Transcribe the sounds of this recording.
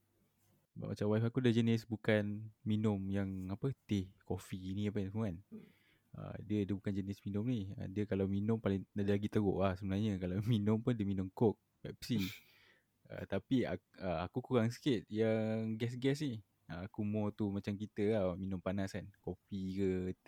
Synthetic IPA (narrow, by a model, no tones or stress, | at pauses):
ba̰ʔma̰t͡ʃawajfakudad͡ʒənɪsbukanminʊmjaŋapət̪ɪhkofiniap̬aasəmuan | ə̰diədabukand͡ʒənɪsminʊ̃mniə̰diəkalawminʊ̃mpalɪŋadalaɡit̪əɣoʔlahsəbənarɲəkalawminʊmpʊndəminʊ̃mkok̚ | pɛp̚si | ə̰t̪apia̰ | əa̰kukuɣaŋsə̥kɪt̪̚jaŋɡɛs̬ɡɛsnih | əakumɔt̪umat͡ʃamkit̪əaminʊ̃mpanasankofikə